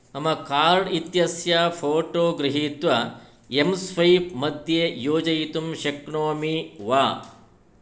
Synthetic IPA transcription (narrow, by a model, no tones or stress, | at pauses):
ɐmɐkaːɾɖit̪jɐsjaːpʰoːʈoːɡɾiɦiːt̪ʋɐ | emsʋɐjpmɐd̪ʱjeːjoːd͡ʒɐjit̪umʃɐkɳoːmiʋaː